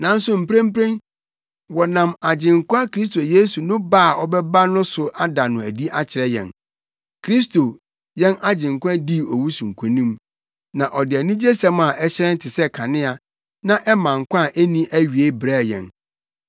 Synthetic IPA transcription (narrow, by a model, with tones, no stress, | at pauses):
nã˨n̩˦sʊ˨m̩˨pʰɾẽ˦m̩˦pɾẽ˦n | wɔ˨nã˨ma˨d͡ʑɪ̃˨ŋkʷã˦kʰɾi˦s̬to˨je˦su˨nʊ̃˦ba˦˨ɔ˦bɛ˦ba˦nʊ̃˦sʊ˨ʔa˦da˨nʊ̃˨æ˨di˦ʔa˦t͡ɕʰɪ˨ɾɛ˦jɛ̰̃˨n | kʰɾi˦s̬to˨ | jɛ̃˦na˦d͡ʑɪ̃˨ŋ˨kʷã˦di˦ɔ˨wu˦sũ˨ŋ̩˨kʰũ˨nĩ˦m | nã˨ʔɔ˨dɪ˨ɛ˨nĩ˦d͡ʑe˦sɛ̃˦ma˨ʔɛ˦t͡ɕɪ˦ɾɛ̃˦n̩˦tʰɪ˨sɛ˦kʰa˨nɪ̃˦a˨ | nã˦ʔɛ˦mã˨ŋ˨kʷã˦˨ʔe˦nĩ˦ʔæ˦ɥi˨e˦bɾɛ˦˨jɛ̰̃˨n